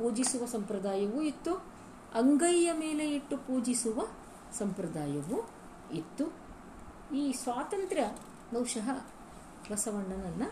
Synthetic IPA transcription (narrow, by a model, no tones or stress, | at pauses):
puːd͡ʒisuʋɐsɐmpɾɐd̪aːjɐʋuit̪ːu | ɐŋɡɐjjɐmeːleiʈːupuːd͡ʒisuʋɐ | sɐmpɾɐd̪aːjɐʋu | it̪ːu | iːsʋaːt̪ɐnt̪ɾjɐ | nɐwʂɐɦɐ | ʋɐsɐʋɐɳɖɐnɐnːɐ